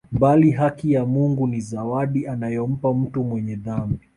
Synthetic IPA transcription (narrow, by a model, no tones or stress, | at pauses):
mbaliɦakijamuŋɡunizawaɗianajɔm̩pam̩tumwɛɲɛðambi